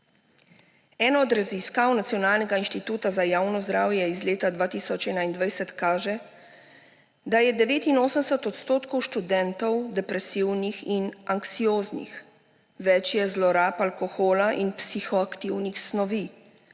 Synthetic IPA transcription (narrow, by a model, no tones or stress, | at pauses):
ɛːnɔːd̪ɾaziskawnat̪sijɔnaːlnɛɡainʃt̪it̪uːt̪azajaːwnɔzd̪ɾaːwjɛizleːt̪ad̪ʋaːt̪iːsɔt͡ʃɛːnaind̪ʋajsɛt̪kaːʒɛ | d̪ajɛd̪ɛʋeːt̪inoːsəmsɛt̪ɔt̪st̪oːt̪kɔwʃt̪ud̪ɛnt̪ɔwd̪ɛpɾɛsiwnixinaŋksijoːznḭx | ʋɛt͡ʃjɛzlɔɾaːpalkɔxoːlaʔinpsixɔakt̪iwnixsnɔʋi